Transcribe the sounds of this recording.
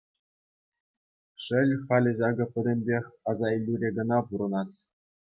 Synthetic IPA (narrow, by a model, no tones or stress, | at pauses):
ʂɘ̆lʲχɑlʲɘ̆zɑɡɤ̆pʲɘ̆dʲɘ̆mʲbʲexʲɑzɑilʲːuɾʲeɡɤ̆nɑpuɾɤ̆nɑt̪